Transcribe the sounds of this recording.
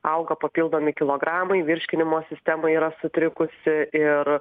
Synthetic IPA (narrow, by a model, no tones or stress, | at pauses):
ɐʊɡɐpɐpʲilˠd̪oːmʲɪkʲɪlˠoːɡɾɑːmɐɪʋʲɪɾʲʃʲkʲɪnʲɪmoːsʲɪsʲt̪ʲæmɐɪiːɾɐsʊt̪ʲɾʲɪkʊsʲɪɪr